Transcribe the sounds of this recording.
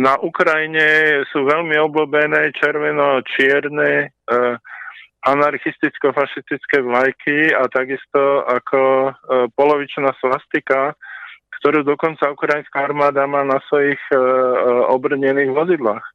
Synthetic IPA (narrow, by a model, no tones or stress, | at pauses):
naʔukɾajiɲɛsuːʋɛʎmiɔblubɛnɛːt͡ʃɛɾʋɛnɔt͡ʃɪɛɾnɛː | anaɾxist̪it͡skɔfaʃist̪it͡skɛːʋlajkʰiat̪aɡist̪ɔakʰɔpɔlɔʋit͡ʃnaːslast̪ikakt̪ɔɾuːd̪ɔkɔnt͡saukɾajinskaaɾmaːd̪amaːnasʋɔjix | ɔbr̩ɲɛniːɣʋɔzid̪laːx